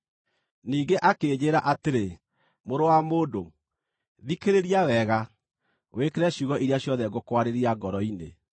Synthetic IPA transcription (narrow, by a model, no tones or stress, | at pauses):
niːɡeʔakeːd͡ʑeːɾaʔateɾe | moɾowamoːdo | ðikeɾeɾiawɛɣa | wekeɾɛɕjuɣɔʔiɾjaɕjɔðɛɡokwaɾeɾiaɡɔɾɔinḛ